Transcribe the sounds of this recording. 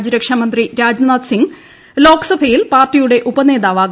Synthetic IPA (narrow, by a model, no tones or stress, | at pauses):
d͡ʑɐɾɐkʂɐmɐnd̪riɾaːd͡ʑnaːt̪siŋɡ | lo̞ːksɐbʱɐjilpaːrʈːijuɽe̞ʔubɐne̞ːðaːʋaːɡ